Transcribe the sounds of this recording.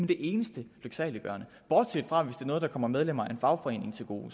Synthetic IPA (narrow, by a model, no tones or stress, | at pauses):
mend̥e̝ʔe̝ːnəsd̥əløɡ̥sɛ̰ːləb̥ɶɐ̰nə | b̥ɒ̰ːd̥sed̥fʁɑ̈ʋe̝sd̥e̝ɐnɔ̽ð̞̩̥ˠɑ̈kʰɒ̽m̰ɐmeð̞ˠlem̰ɐæɐenfɑ̈ʊfɒ̽e̝̰ːne̝ŋt͡sʰe̝lɡ̥o̝̰ː